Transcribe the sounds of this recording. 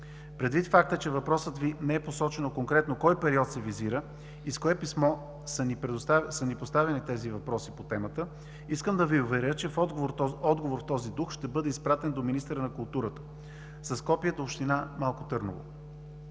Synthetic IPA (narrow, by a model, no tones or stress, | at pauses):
pɾɛd̪vit̪fak̚t̪ət͡ʃɛvɐpɾɔsət̪vinɛɛposɔt͡ʃɛnokoŋkɾɛt̪nokɔjpɛɾiɔt̪sɛviziɾə | iskoɛpismɔ | sənipɾɛd̪ost̪asənipost̪avʲɐnit̪ɛzivɐpɾɔsipot̪ɛmət̪ə | iskəmd̪ɐviʊvɛɾʲɤt͡ʃɛfɔd̪ɡovoɾɔd̪ɡovoɾft̪ɔzid̪uxʃt̪ɛbɤd̪ɛispɾat̪ɛnd̪ominist̪əɾənɐkʊlˠt̪uɾət̪ə̥ | sɐskɔpijəd̪əopʃt̪inamalˠkot̪ɤɾno̰vo̰